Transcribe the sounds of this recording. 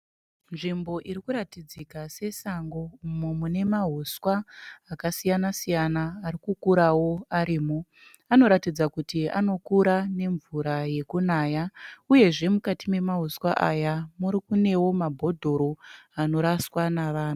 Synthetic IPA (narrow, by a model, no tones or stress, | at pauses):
nʐimbo̞ʔiɾikuɾatid͡zikase̞saŋɡo̞umumune̞maɦuswaːkasijanasijanaːɾikukuɾawo̞aɾiːmo | ano̞ɾatid͡zakutia̰no̞kuɾane̞ɱvuɾaje̞kunaːjauje̞ʐe̞mukatime̞maɦuswaʔajamuɾikune̞wo̞mabʱo̞dʱo̞ɾo̞ano̞ɾaswanaʋaːna